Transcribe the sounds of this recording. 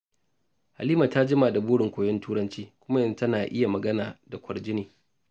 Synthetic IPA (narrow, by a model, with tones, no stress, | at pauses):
ha̰˨liː˦ma˨ta˦d͡ʒɪ˦ma˨da˨buː˦ɽɪ˨ŋkʷoː˨jɔ˦ntuː˦ɾɐ˦nt͡ʃiː˦kʷʊ˦ma˦ʔɪ˦n˨˦tɐ˦naː˨ʔɪ˦ja˨mɐ˨ɡɐ˦naː˨da˨kʷʰɐ˨rd͡ʒɪ˦neː˨